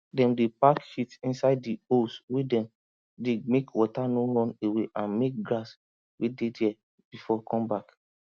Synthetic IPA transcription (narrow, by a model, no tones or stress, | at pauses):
dɛ̃mdepakʃitĩnsaɪd̚ːioswedɛ̃m | demekwɔtanoɹɔ̃neweʔãnmek̚ɡɹas | wededɛ | b̥ifɔkʰɔ̃mbak